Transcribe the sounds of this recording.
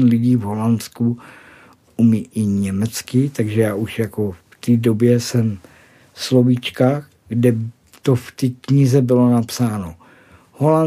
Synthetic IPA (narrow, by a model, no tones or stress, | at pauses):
nlɪɟiːvɦo̞lansku | umɪʔɪɲɛmɛt͡skɪt̪aɡʒɛjaːʔuʃjako̞ft̪iːdobjɛsɛm | slovit͡ʃka | ɡdɛ | t̪oft̪ikɲɪzɛbɪlo̞napsaːno | holan